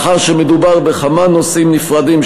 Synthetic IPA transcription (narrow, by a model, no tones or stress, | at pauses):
χaʁʃemed̪ubaʁbeχamanosimnifʁad̪im